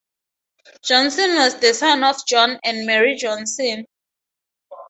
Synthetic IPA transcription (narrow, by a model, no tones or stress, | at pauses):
d͡ʒɔ̃nsɔ̃nwɔzðəsãnɔvd͡ʒɔ̃nãnmɛɹid͡ʒɔ̃nsɔ̃n